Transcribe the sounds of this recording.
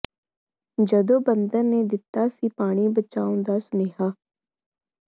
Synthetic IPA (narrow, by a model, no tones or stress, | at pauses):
d͡ʒəd̪oːbənd̪əɾneːd̪ɪt̪ːaːsiːpaːɽ̃iːbət͡ʃaːõːnd̪aːsʊneːɦaː